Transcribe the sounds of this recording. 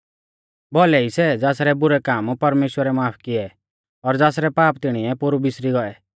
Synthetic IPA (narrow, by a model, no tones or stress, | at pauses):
bɔlɛisɛd͡zaːsɾɛbʊɾɛkaːmpɐɾmeːʃwəɾɛmaːpʰkɪɛ | ɔɾd͡zaːsɾɛpaːpt̪ɪɽ̃iɛpʊɾubɪsɾiɡɔɛ